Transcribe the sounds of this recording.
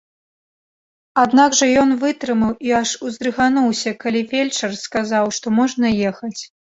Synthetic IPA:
ad̪naɡʐɐjɔnvɨt̪ɾɨmɐwiaʂuzd̪ɾɨɣanuwsʲɐkalʲivʲelʲt͡ʂɐrskazawʂt̪ɔmɔʐnɐjɛxɐt͡sʲ

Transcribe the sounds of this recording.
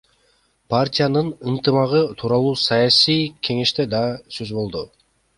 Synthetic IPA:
pʰartʲijanɯnɯnt̪ɨmɑʁɯt̪ʰuːɾɑlˠuːsɑjasijkʲʰe̞ŋe̞ʃt̪e̞d̪ɑsøzbo̞lˠd̪u

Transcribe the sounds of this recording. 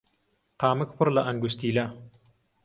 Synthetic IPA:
qɑːmɨkpʰɨɾlɐʔɐŋɡust̪iːlɐ

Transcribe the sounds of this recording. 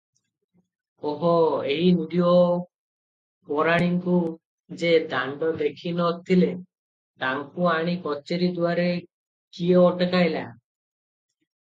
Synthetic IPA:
ɔɦɔejnuɖio | pɔɾaɽ̃iŋku | d͡ʒed̪aɳɖɔd̪ekʰinɔt̪ʰile | t̪aŋkuaɽ̃ikɔt͡ʃeɾid̪uaɾe | kieɔʈekajla̰

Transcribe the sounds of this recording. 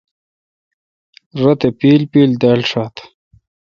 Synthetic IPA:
ɾɐt̪epiːlpiːld̪alʂaːt̪

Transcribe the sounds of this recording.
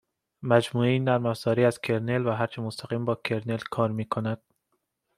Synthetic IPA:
mæd͡ʒmuːeiːnæɾmæfz̥ɒːɾiːæz̥kʰe̞ɾnelvæɦæɾt͡ʃʰemost̪ʰæʁiːmbɒːkʰeɾnelkʰɒːɾmiːkʰonæd̪̥

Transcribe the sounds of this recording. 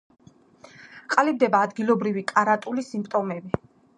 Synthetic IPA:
qʼalib̚d̪ɛbaːd̪ɡilˠɔbɾivikʼaɾat̪ʼulisimpʰʼt̪ʼɔmɛbi

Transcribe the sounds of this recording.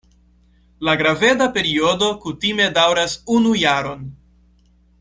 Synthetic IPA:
laɡɾave̞dape̞ɾio̞do̞kutime̞dawɾasunujaɾo̞n

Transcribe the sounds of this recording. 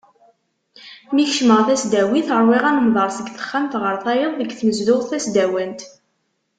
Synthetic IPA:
miçʃməʁθæsd̪æwiθəɾˤwiʁænəmðˤɑɾˤsəɡθə̥χːæmt̪ʁəɾˤθæjeðˤðəɡθməzðʊʁθæsd̪æwænt̪

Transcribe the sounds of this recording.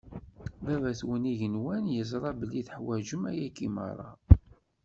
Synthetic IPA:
vævæθwəniʝənwænjəzˤɾˤɑbəlːiθħwæʒəmæjækːimɑ̰ɾˤːɑ̰

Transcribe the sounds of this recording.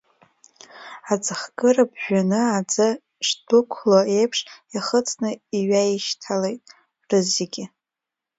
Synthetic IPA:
ad͡zɨχɡʼɨrabʒᶣanɨad͡zɨ | ʂdʊkʷʰloejpʰʂiχət͡sʰʼnɨiɥaiʃtʰalejtʼ | rɨzeɡʲɪ

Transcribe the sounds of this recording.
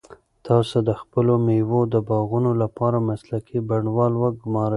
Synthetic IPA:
t̪ɑsod̪əxpəlomewod̪əbɑɣunolapɑɾamaslakʰibaɳwɑlwaɡʊmɑɾə

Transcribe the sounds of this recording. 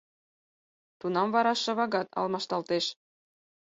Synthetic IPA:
t̪unɑmvɑɾɑʃːɑ̆βɑɣɑt̪ɑ̰lˠmɑʃt̪ɑlt̪eʃ

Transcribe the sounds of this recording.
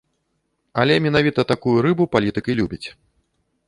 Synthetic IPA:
ɐlʲɛmʲɛnavʲit̪ɐt̪akujuɾɨbupalʲit̪ɨkilʲubʲit͡sʲ

